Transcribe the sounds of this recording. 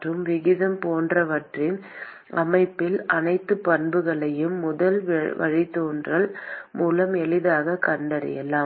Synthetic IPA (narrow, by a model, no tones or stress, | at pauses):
rɯmʋɪɣɪðɐmpoːndrɐʋɐʈrɪn | ɐmɐɪpːɪlɐnɐɪt̪ːɯpɐnbɯɣɐɭɐjɯmːʊðɐlʋʋɐ̰ɻit̪ːoːndrɐɭmuːlɐmɛɭɪðaːɣɐkɐɳɖɐɾɪ̰jɛ̰laː